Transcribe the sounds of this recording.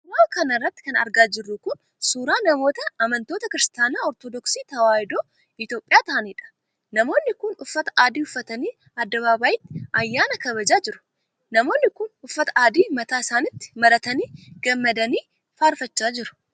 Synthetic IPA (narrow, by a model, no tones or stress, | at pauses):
sʊɾaːkɐnɐrːɐt̪ːɪ̥kɐnɐ̰ɾɡaːd͡ʒɪrːʊkʊn | suːɾaːnɐmo̞ːt̪ɐːmɐnt̪o̞ːt̪ɐkɪɾɪst̪aːnaːɔɾt̪oːd̪ɔksiːt̪ɐwaːjɪd̪oː | ɪt̪jo̞ːpʼːɪjaːt̪ɐniːᶑɐ̥ | nɐmo̞ːnːɪkʊnʊfːɐt̪ɐ̥ʔaːd̪iːʊfːɐt̪ɐniː | ɐd̪ːɐβaːbaːjɪt̪ːɪ̥ʔɐjːaːnɐkɐβɐd͡ʒaːd͡ʒɪɾʊ̥ | nɐmo̞ːnːɪkʊnʊfːɐt̪ɐʔaːd̪iːmɐt̪aːɪsaːnɪt̪ːɪ̥mɐɾɐt̪ɐniːɡɐmːɐd̪ɐniː | faːɾfɐt͡ʃːaːd͡ʒɪɾʊ̥